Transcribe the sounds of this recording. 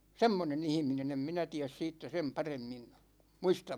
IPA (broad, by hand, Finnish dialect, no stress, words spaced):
semːonen ihminen em minæ tiæs siːtːæ sem pɑremːin muistɑm